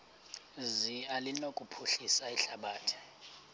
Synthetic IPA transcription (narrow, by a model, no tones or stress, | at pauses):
zialinokʼupʰuɬisaiɬaɓaːtʰi̥